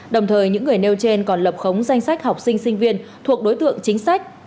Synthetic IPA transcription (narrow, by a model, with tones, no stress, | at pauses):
ɗə˨˩wŋ͡mt̪ʰəː˨˩jɲɨ̰˧˥ŋːɨ˨˩əjne˧wt͡ɕe˧nkɔ˨˩nlə˨˩p̚xə˨˦wŋ͡mza˧jŋ̟sa˦˥jk̟̚ha˨˩wk͡p̚sï˧ŋ̟sï˧ŋ̟vi˧ənt̪ʰu˨˩ək̚ɗo˨˦jt̪ɨ̰˧˨əŋt͡ɕï˨˦ŋ̟sa˦˥jk̟̚